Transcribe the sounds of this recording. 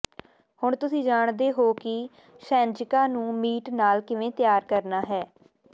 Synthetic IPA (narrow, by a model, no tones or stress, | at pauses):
hʊɳt̪ʊsĩːd͡ʒaːɳd̪eːɦoːkɪ | ʃɛ̃ːnd͡ʒɪkaːnũːmiːʈnaːlkɪʋẽːt̪ɪjaːɾkəɾnaːɦɛː